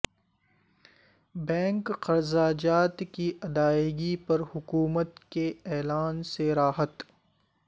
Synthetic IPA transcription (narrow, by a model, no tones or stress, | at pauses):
bɛ̃ːŋkqɐɾzaːd͡ʒaːt̪kiʔɐd̪aːɪɡipɐɾhʊkuːmət̪keɛːlaːnseɾaːɦət̪